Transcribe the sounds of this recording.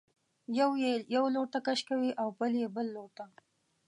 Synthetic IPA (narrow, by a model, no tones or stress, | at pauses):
jawjejawloɾt̪akaʃkawiʔawbəljebəlːoɾt̪a